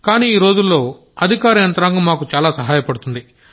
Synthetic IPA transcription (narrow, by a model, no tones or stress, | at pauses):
kaːniːiːɾo̞ːd͡ʒulːo̞ː | ɐd̪ʱikaːɾɐjɐnt̪ɾaːŋɡumaːkut͡ʃaːlaːsɐɦaːjɐpɐɽut̪und̪i